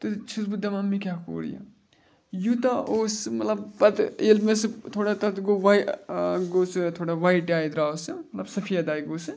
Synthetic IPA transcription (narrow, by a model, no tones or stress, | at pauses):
t̪ɨt͡ʃʰizbud̪ʱamamikako̰ːɾḭjɐ̰ | jut̪ɐoːsmɐt̪lɐbpɐt̪elmest̪ʰoɽat̪ɐt̪ɡoʋajɡost̪ʰoɽaʋajʈaːjd̪ɾawsumɐt̪lɐbsɐpʰijad̪ajɡot͡sɨ